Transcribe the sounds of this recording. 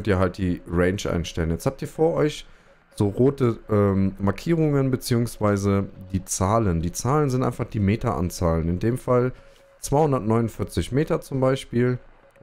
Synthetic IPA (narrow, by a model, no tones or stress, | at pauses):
kœntiːɐɦalt̚d̥iːʁɛɪnʃʔa̰ɪnʃtɛlənjɛt͡shaːp̚tiːɐfoːɐʔɔʏç | z̥oːʁoːtəʔɛːmmaɐkʰiːʁʊŋənbət͡siːʊŋsv̥aɪzədiːt͡saːləndiːt͡saːlənzɪntʔa̰ɪnfaχd̥iːmeːtɐʔa̰nt͡saːlənɪndeːmfal | t͡sv̥aɪhʊndɐtnɔʏnʊnfɪɐt͡sɪçmeːtɐt͡sʊmbaɪʃpiːl